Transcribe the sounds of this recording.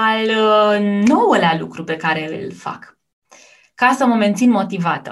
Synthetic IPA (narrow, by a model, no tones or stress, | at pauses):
al | no̞wəlealṵkɾupe̞kaɾe̞ɨ̰lfa̰k | kasəməment̪sinmo̞t̪ivat̪ə̰